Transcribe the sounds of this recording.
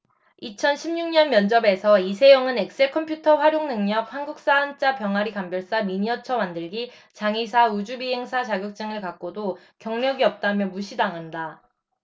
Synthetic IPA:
it͡ɕʰʌnɕʰimɲuŋɲʌnmjʌnd͡ʑʌbe̞sʰʌisʰe̞joŋɯne̞k̚s͈eɭkʰʌmpʰjutʰʌɸwaɾjoŋnɯŋɲʌp̚hanɡuk̚s͈aɦːnt͡ɕ͈apjʌŋɦaɾikambjʌɭs͈amiɲiʌt͡ɕʰʌmandɯɭɡi | t͡ɕaŋisʰaud͡ʑubiɦe̞ŋsʰat͡ɕaɡjʌk̚t͡ɕ͈ɯŋɯɭkak̚k͈odo | kjʌŋɲjʌɡiʌp̚t͈amjʌmuɕʰidaŋɦanda

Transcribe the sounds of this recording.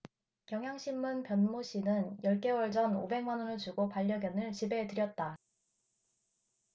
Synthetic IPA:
kjʌŋɦjaŋɕʰimmunpjʌnmoɕ͈ʰinɯnjʌɭk͈e̞wʌɭd͡ʑʌno̰be̞ŋmanʌnɯɭt͡ɕuɡopaʎːʌɡjʌnɯɭt͡ɕibe̞tɯɾjʌt̚t͈a

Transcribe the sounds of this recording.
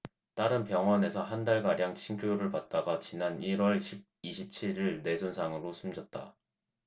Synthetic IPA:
t͈aɾɯnpjʌŋɦwʌne̞sʰʌɦandaɭɡaɾjaŋt͡ɕʰiŋkʰjoɾɯɭpat̚t͈aɡat͡ɕinaniɾwʌɭɕʰib̚iɕʰip̚t͡ɕʰiɾiɭne̞sʰonsʰaŋɯɾosʰumd͡ʑʌt̚t͈a̰

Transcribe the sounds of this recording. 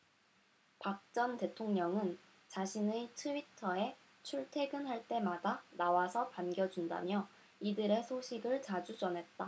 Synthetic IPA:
pak̚t͡ɕ͈ʌnte̞tʰoŋɲʌŋɯn | t͡ɕaɕʰinetʰɯitʰʌe̞ | t͡ɕʰuɭtʰe̞ɡɯnɦaɭt͈e̞madanawasʰʌpanɡjʌd͡ʑunda̰mjʌ | idɯɾe̞sʰoɕʰiɡɯɭt͡ɕad͡ʑud͡ʑʌnɦe̞t̚t͈a

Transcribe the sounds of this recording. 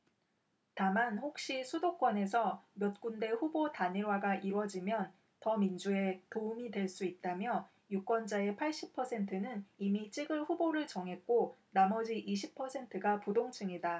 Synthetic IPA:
tamanɸok̚ɕ͈isʰudok͈wʌne̞sʰʌmjʌt̚k͈unde̞ɸubotaɲiɭwaɡaʔiɾwʌd͡ʑimjʌn | tʌmind͡ʑue̞toumidwe̞ɭs͈uit̚t͈amjʌ | juk͈wʌnd͡ʑae̞pʰaɭɕ͈ipʰʌsʰe̞ntʰɯnɯnimit͡ɕ͈ʰiɡɯɭɸuboɾɯɭt͡ɕʌŋɦe̞t̚k͈onamʌd͡ʑiʔiɕʰipʰʌsʰe̞ntʰɯɡapudoŋt͡ɕʰɯŋida

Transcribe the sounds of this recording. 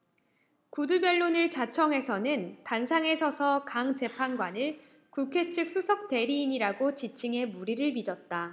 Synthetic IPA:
kudubjʌɭːonɯɭt͡ɕat͡ɕʰʌŋɦe̞sʰʌnɯntansʰaŋe̞sʰʌsʰʌkaŋt͡ɕe̞pʰanɡwanɯɭ | kukʰe̞t͡ɕʰɯk̚s͈ʰusʰʌk̚t͈e̞ɾiːɲiɾaɡot͡ɕit͡ɕʰiŋe̞muɾiɾɯɭmid͡ʑʌt̚t͈a

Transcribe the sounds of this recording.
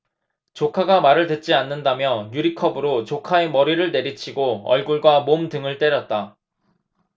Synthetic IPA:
t͡ɕokʰaɡamaɾɯɭtwet̚t͡ɕ͈ianːɯndamjʌjuɾikʰʌbɯɾot͡ɕokʰae̞mʌɾiɾɯɭne̞ɾit͡ɕʰiɡoʌ̰ɭɡuɭɡwamomdɯŋɯɭt͈e̞ɾjʌt̚t͈a

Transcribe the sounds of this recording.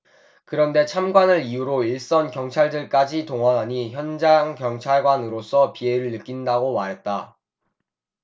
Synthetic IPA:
kɯɾʌnde̞t͡ɕʰamɡwanɯɾijuɾoiɭs͈ʌnkjʌŋt͡ɕʰaɭdɯɭk͈ad͡ʑitoŋɦʌnɦaɲiçjʌnd͡ʑaŋkjʌŋt͡ɕʰaɭɡwanɯɾos͈ʰʌpie̞ɾɯɭnɯk͈indaɡomaɾɦe̞t̚t͈a

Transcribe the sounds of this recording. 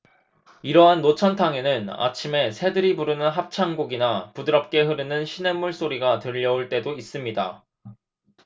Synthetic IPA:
iɾʌɦanːot͡ɕʰʌntʰaŋe̞nɯna̰t͡ɕʰime̞sʰe̞dɯɾibuɾɯnɯnɦap̚t͡ɕʰaŋɡoɡinapudɯɾʌp̚k͈e̞ɦɯɾɯnɯnɕʰine̞mːuɭs͈oɾiɡatɯʎːʌuɭt͈e̞dois͈ɯmɲida

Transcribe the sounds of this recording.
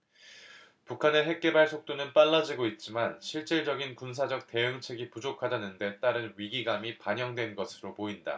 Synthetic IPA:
pukʰane̞ɦe̞k̚k͈e̞baɭsʰok̚t͈onɯnp͈aɭːad͡ʑiɡoit̚t͡ɕ͈imanɕʰiɭt͡ɕ͈iɭd͡ʑʌɡinkuns̬ʰad͡ʑʌk̚t͈e̞ɯŋt͡ɕʰe̞ɡipud͡ʑokʰadanɯnde̞t͈aɾɯnɥiɡiɡamipaɲjʌŋdwe̞nɡʌsʰɯɾopoinda̰

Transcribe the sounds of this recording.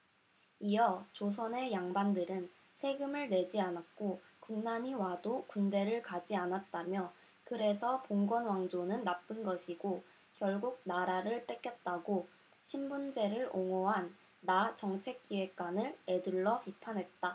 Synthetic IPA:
ijʌt͡ɕos̬ʰʌne̞jaŋbandɯɾɯn | sʰe̞ɡɯmɯɭne̞d͡ʑianak̚k͈o | kuŋnaɲiwadokunde̞ɾɯɭkad͡ʑianat̚t͈amjʌ | kɯɾe̞sʰʌpoŋɡwʌnwaŋd͡ʑonɯnːap͈ɯnɡʌɕʰiɡo | kjʌɭɡuɡ̚naɾaɾɯɭp͈ek͈jʌt̚t͈aɡo | ɕʰimbund͡ʑe̞ɾɯɭoŋoɦanː | at͡ɕʌŋt͡ɕʰe̞k̚k͈iwe̞k̚k͈anɯɭe̞duɭːʌpipʰanɦe̞t̚t͈a

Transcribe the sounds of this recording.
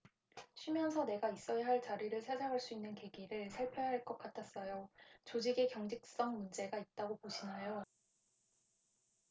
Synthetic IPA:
ɕʰɥimjʌnsʰʌne̞ɡais͈ʌjaɦaɭt͡ɕaɾiɾɯɭsʰad͡ʑaŋɦaɭs͈uinːɯnke̞ɡiɾɯɭsʰaɭpʰjʌɦaɭk͈ʌk͈atʰas͈ʌjot͡ɕod͡ʑiɡe̞kjʌŋd͡ʑik̚s͈ʌŋmund͡ʑe̞ɡait̚t͈aɡopoɕʰinajo

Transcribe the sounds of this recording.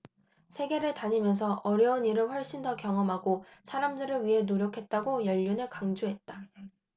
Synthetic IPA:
sʰe̞ɡe̞ɾɯɭtaɲimjʌns̬ʰʌʔʌɾjʌuniɾɯɭɸwʌɭɕ͈indʌkjʌŋʌmɦaɡosʰaɾamdɯɾɯɭɥiɦe̞noɾjʌkʰe̞t̚t͈aɡojʌʎːunɯɭkaŋd͡ʑoɦe̞t̚t͈a

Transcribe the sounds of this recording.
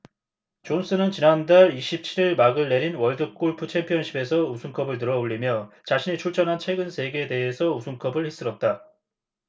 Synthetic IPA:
t͡ɕons͈ɯnɯnt͡ɕinandaɾiɕʰip̚t͡ɕʰiɾiɭmaɡɯɭːe̞ɾinwʌɭdɯk͈oɭpʰut͡ɕʰe̞mpʰjʌnɕʰibe̞sʰʌusʰuŋkʰʌbɯɭtɯɾʌuʎːimjʌt͡ɕaɕʰinet͡ɕʰuɭt͡ɕ͈ʰʌnɦant͡ɕʰwe̞ɡɯnsʰe̞ɡe̞ːde̞ɦesʰʌusʰuŋkʰʌbɯɭhis͈ɯɾʌt̚t͈a

